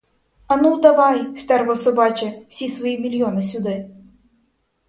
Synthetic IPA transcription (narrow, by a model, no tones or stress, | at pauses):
ɐnud̪ɐʋɑjst̪ɛɾvɔsɔbɑt͡ʃɛw̥sʲisʋɔjimʲilʲjɔnɪsʲʊd̪ɪ